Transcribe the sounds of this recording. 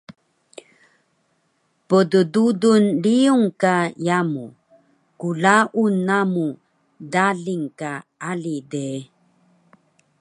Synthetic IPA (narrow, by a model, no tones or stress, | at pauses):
pədədudunliuŋkajamu | kuɮaʔunːamu | daɮiŋkaalide